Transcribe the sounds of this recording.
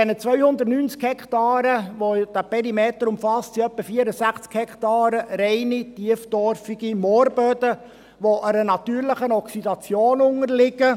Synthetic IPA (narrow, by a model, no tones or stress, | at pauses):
ɛnət͡sʋœʏhʊnd̪ətnyːnt͡skhɛktɑːɾəʋod̥̪æpɛɾimeːt̪əɾʊmfɑst͡siœpːəfiəɾəsæχt͡skhɛkt̪ɑːɾəɾɛɪnit̪iəfd̥̪ɔɾfiɡ̥imoːɾbød̪ə | ʋoʔəɾənɑt̪yːɾlɪχənɔksidɑt͡sjoːnʊŋərlɪɡə